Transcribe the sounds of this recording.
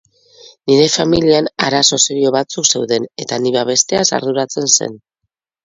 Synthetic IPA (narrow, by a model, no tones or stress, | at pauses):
niɾe̞familianaɾaso̞seɾio̞βat͡sukse̞wðe̞ne̞t̪aniβaβ̞e̞st̪e̞asa̰ɾðuɾat͡se̞nse̞̰n